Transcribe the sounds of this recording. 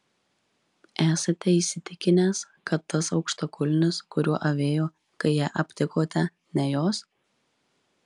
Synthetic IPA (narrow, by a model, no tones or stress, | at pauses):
æːsɐt̪ʲɛiːsʲɪt̪ʲɪkʲɪnʲeːs | kɐt̪ːɐsɒʊkʃt̪ɐkʰʊlʲnʲɪskʊɾʲuɔʔɐʋʲeːjoː | kɐɪjɛːʔɐpʲt̪ʲɪkoːt̪ʲɛ | nʲɛjoːs